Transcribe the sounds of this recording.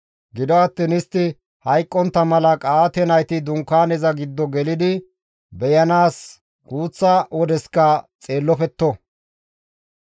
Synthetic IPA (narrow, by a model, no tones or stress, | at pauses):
ɡɪd̪ɔɐt̪ːɪnɪst̪ːɪ | hɐjkʼːɔnt̪ːɐmɐlɐkʼaːt̪ɛnɐjt̪ɪd̪ʊŋkːaːnɛzɐɡɪd̪ːɔɡɛlɪd̪ɪ | bɛjɐnaːs | ɡ̥uːt͡sːawɔd̪ɛskɐt͡sʼe̞ːlːɔfɛt̪ːɔ